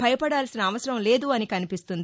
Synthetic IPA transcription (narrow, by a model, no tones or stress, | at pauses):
pɐjɐpɐɽaːlsinɐːʋɐsɐɾɐmle̞ːd̪uɐnikɐnipist̪und̪i